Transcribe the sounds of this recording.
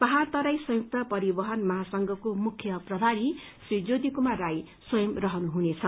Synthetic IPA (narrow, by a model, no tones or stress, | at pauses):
pʌɦart̪ʌɾajsʌ̃juk̚t̪ʌpʌɾibʌɦʌnmʌɦasʌŋɡʱʌkomukʰjʌprʌb̪ʱaɾi | srid͡zod̪ikumaɾaj | swʌjʌmrʌɦʌnuɦunet͡sʰʌ